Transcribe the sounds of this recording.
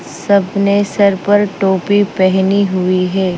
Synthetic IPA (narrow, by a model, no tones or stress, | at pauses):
sɐbnesɐɾpɐɾʈoːpipɛɦniɦʊiɦɛː